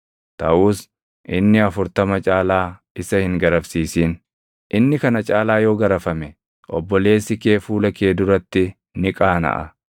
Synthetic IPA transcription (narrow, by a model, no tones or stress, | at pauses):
t̪ɐʔuːs | ʔɪnːɪɐfʊɾt̪ɐmɐt͡ʃʼaːlaː | ɪsɐhɪŋɡɐɾɐfsiːsiːn | ʔɪnːɪkɐnɐt͡ʃʼaːlaːjo̞ːɡɐɾɐfɐmɛ | ʔɔ̰bːɔle̞ːsːɪkeːfuːlɐkeːd̪ʊɾɐt̪ːɪ | nɪkʼaːnɐ̰ʔɐ̰